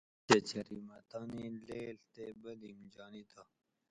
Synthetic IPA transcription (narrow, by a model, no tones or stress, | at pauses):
et͡ɕɐɾimɐt̪ɑːnileːlt̪ebɐlimd͡ʑɑːnit̪ʰa